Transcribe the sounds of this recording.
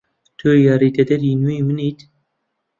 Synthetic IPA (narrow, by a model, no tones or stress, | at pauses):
t̪ʰujaɾiːt̪ɛd̪ɛɾjinuimɨniːt̪